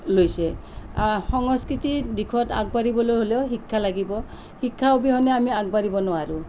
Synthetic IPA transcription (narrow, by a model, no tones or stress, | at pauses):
lojsɛaxɔŋɔskɹitidikʰɔta̰ɡ̚baɹibɔlojɦolɛʊɦikʰːalaɡibɔ | hikʰːaobiɦɔnɛamiaɡ̚baɹibɔnʊaɹʊ